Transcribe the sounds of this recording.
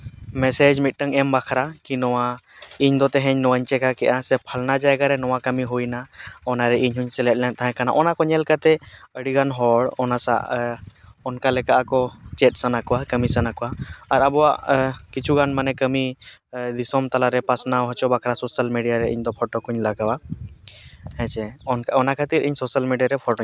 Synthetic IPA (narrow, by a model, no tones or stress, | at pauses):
mɛsɛd͡ʒmit̪̚ʈəŋɛmbakʰɾakinɔwaiɲd̪ɔt̪ɛɦɛɲnɔwaɲt͡ʃɛkakɛʔasɛpʰəlnad͡ʒajɡaɾɛnɔwakəmiɦujnaɔnaɾɛiɲɦuɲsɛlɛt̚ˀlɛnt̪aɦɛ̃kanaʔɔnakɔɲɛlkat̪ɛəɽiɡanɦɔɽɔnasa̰ʔ | ɔnkalɛkaʔakɔt͡ʃɛʈ̚sanakɔwakəmisanakɔwaːɾabɔwaʔkit͡ʃʰuɡanmanɛkəmid̪isɔmt̪alaɾɛpasnaɦɔt͡ʃɔbakʰɾasɔsəlmiɖijaɾɛḭɲd̪ɔpʰɔʈɔkuɲlaɡawa | hɛ̃t͡ʃɛɔnkaɔnakʰat̪iɾʔiɲsɔsəlmiɖijaɾɛpʰɔʈɔ